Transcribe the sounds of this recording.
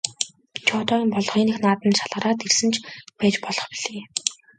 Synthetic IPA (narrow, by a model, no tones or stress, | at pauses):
t͡ɕʰɔːt̪ɔːimpɔɮɞ̆χiːnixnaːt̪ə̆nʃaɮʁə̆ɾaːt̪ersɘ̆nt͡ɕʰpæːt͡ɕpɔɮɞ̆χpiɮ̥eː